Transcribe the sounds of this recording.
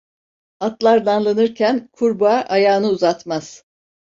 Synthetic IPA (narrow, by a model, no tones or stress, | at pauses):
at̪lˠaɾd̪anlˠanɯɾcʰænkʰuɾbaʔajaːnɯuzat̪maz̥